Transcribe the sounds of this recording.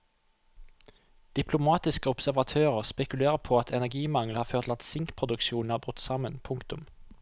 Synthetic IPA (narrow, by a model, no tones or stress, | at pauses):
d̪̥ɪpʰlʊmɑːt̪ɪskəɔpsæʁʋɑt̪ʰøːʁəʁspɛkʉleːʁəpʰoːɑt̪ʰɛnæɡiːmɑŋlhɑːføːʁt̪lɑt̪sɪŋkpʰʁʊd̪ʉkʃuːnnhɑːbʁʉt̪ːsɑmənpʰʊŋkt̪ʊm